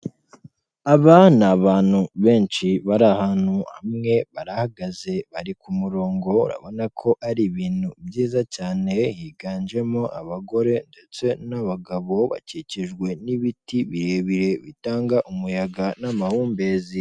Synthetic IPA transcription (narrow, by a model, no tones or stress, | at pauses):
aβanaβaːn̥huβe̞ːnt͡ʃiβaɾahaːn̥huhamŋe̞βaɾahaɡaze̞βaɾikumuɾo̞ːŋɡo̞ṵɾa̰βo̞nakʰo̞ʔaɾiβiːn̥ubjiːzacaːne̞hiɡaːnd͡ʒe̞moʔaβaɡo̞ɾe̞nde̞t͡se̞naβaɡaβo̞βa̰ciciʒɡwe̞niβitiβiɾe̞βiɾe̞βitaːŋɡaʔumujaɡanamahuːmbe̞ːzi